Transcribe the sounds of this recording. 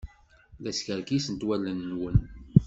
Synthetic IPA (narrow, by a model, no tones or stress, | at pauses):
ðæsçəɾkisənt̪wælːənːwən